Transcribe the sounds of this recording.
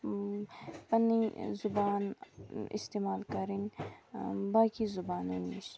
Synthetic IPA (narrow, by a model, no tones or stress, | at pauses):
pɐnːizubaːnḭst̪eːmaːlkɐɾin | baːkizubaːnɐniʃ